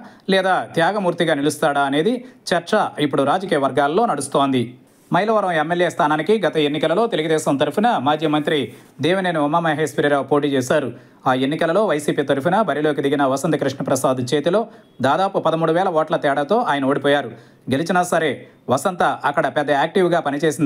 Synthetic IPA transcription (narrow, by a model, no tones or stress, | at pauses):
lɛːd̪aːt̪jaːɡɐmuːɾt̪iɡaːnilust̪aːɽɐɐne̞ːd̪it͡ʃɐɾt͡ʃɐipːuɽuɾaːd͡ʒɐkiːjɐʋɐɾɡaːlːo̞ːnɐɽust̪oːnd̪i | mɐjlɐʋɐɾɐmemːeljeːst̪ʰaːnaːnikiɡɐt̪ɐenːikɐlɐlo̞ːt̪e̞luɡud̪ɛːʃɐmt̪ɐɾupinɐmaːd͡ʒimɐnt̪ɾid̪iːʋɐneːniumaːmɐjɦɐjspiɾɐɾaːpo̞ːʈ̬iːt͡ʃɛːsaːɾu | aːenːikɐlɐlo̞ːʋɐjsiːpiːt̪ɐɾup̬inɐbɐɾiloːk̬id̪iɡinɐʋɐsɐnt̪ɐkɾiʂɳɐpɾɐsaːd̪it͡ʃeːt̪ilo̞ː | d̪aːd̪aːpupɐd̪ɐmuːɽuʋɛːlɐʋoːʈlɐt̪ɛːɽɐt̪o̞ːʔaːjɐnɐo̞ːɽipɔːjaːɾu | ɡelit͡ʃinɐsɐɾe̞ː | ʋɐsɐnt̪ɐʔɐkːɐɽɐpɛd̪ːɐaːk̚ʈiʋɡaːpɐnit͡ʃeːsind̪